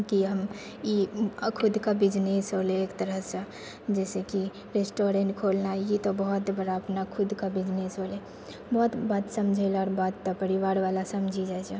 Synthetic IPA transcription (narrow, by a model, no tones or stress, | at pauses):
kiɦəm | ikʰud̪ʱkabid͡ʒnesɦoleːkt̪əɾəɦsə | d͡ʒɛseki | ɾesʈoɾeɳʈkʰolnait̪ɔbəɦut̪bəɾaəpnakʰud̪ʱkabid͡ʒnesɦole | bəɦt̪bat̪səmd͡ʒʱelɔːɾbad̪t̪ɔpəɾiʋaɾʋalasəmd͡ʒʱid͡ʒat͡ʃʰe